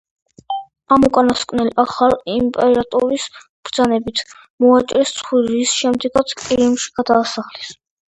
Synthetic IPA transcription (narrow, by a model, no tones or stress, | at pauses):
amukʼanaskʼnɛlaχalimpʼɛɾat̪ʼɔɾis | b̥ɾd̪zanɛbit̪ʰ | mɔat͡ʃʼɾɛst̪sʰʼχwiɾisʃɛmd̪ɛɡat̪sʰkʼiɾimʃi̥ɡ̥ad̪aːsaχlɛs